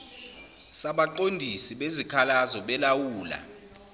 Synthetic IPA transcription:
saɓaǃondʱisiɓezikʰalazɔɓɛlawuːla̰

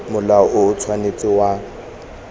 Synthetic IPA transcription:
mʊlaʔʊʊt͡sʰwanet͡sʼɪwa

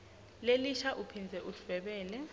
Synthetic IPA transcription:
leliʃaʔupʰind͡zʱɛʔulv̥ɛɓɛːlɛ

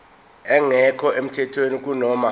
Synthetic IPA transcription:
ɛŋɛkʰɔem̩tʰɛtʰwenik̬ʼunɔːma

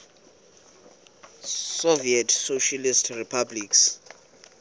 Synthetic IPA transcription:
sɔviɛtʰsoʃalistʰripʰabliks

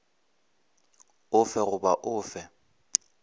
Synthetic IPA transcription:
ʊfɛɣʊbaʔʊːfɛ

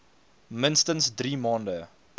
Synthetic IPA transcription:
mənstənsdɾimɑːndə

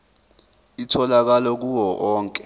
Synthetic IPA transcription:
itʰɔlak̬alɔk̬uwɔʔɔːŋkʼɛ̥

